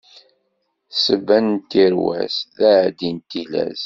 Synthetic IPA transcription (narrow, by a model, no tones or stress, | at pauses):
səbːænnt̪iɾwæ̰sðæd̪int̪ilæ̰z